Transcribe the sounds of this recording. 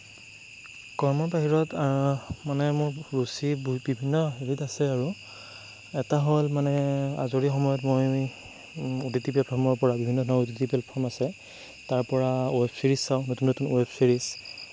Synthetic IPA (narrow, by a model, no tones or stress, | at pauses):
kɔɹmɔpaɦiɹɔtamanɛmʊɹɹusibibʱinːɔɦeɹitasɛaɹu | ɛtaɦolmanɛa̰zoɹixɔmɔjɔtmoj | utitipɛlpʰɔɹmɔɹpɔɹabibʱinːɔdʱɔnautitipɛlpʰːɔɹmasɛ | taɹpɔɹaoɛpʰsiɹisːawnotunotunoɛpʰsiɹis